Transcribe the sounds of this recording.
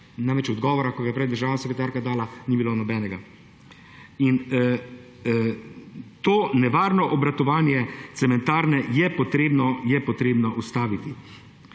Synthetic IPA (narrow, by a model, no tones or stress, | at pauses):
najmɛt͡ʃɔd̪ɡɔːʋɔɾakɔɡajɛpɾɛjd̪əɾʒaːwnasɛkɾɛt̪aːɾkad̪aːlaniːbiloːnɔbɛːnɛɡa | in | t̪oːnɛʋaːɾnɔʔɔbɾat̪ɔʋaːnjɛt̪sɛmɛnt̪aːɾnɛjɛpɔt̪ɾeːbnɔjɛpɔt̪ɾeːbnɔʔust̪aːʋit̪i